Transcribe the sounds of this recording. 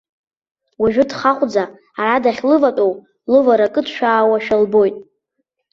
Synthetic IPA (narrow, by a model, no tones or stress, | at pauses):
waʒᶣʊdχaχʷʼd͡zaː | ɾadaχʲlɨvatʼow | lɨvaɾakʼɨtʰʃᶣaːwaʃᶣalbo̞jtʼ